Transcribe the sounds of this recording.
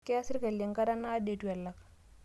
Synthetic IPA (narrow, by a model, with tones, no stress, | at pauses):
ke˦a˦sɪ˦ɾka˨lje˨ŋka˦ɾa˦naː˦de˨tu˨a˨la˨k̚